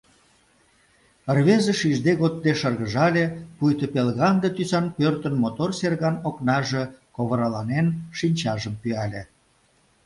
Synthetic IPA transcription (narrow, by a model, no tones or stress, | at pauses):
ərβezə̆ʃiʒd̪eɣod̪̚d̪eʃərɣəʒɑlʲepujt̪əpelɣɑnd̪ət̪ysɑnpørt̪ənmot̪orserɣɑnoknɑʒekoβəɾɑlɑnenʃinʲt͡ɕɑʒəmpyɑlʲe